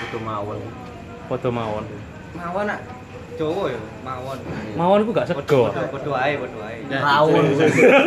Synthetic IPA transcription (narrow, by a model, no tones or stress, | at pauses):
ɔd̪̥omawɔn | pɔd̪̥ɔ̤mawɔn | mawɔnaʔ | d͡ʒ̥owɔjɔ | mawɔnmawɔnk̬uŋɡaʔsəɡ̥ɔdpɔd̥oaepɔd̥oaemawɔn